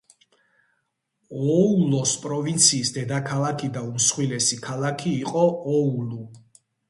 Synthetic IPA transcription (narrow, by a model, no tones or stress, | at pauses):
ɔulɔspʼɾɔvint̪sʰiːsd̪ɛd̪akʰalˠakʰid̪aumsχwilɛsikʰalˠakʰiːqʼɔɔulu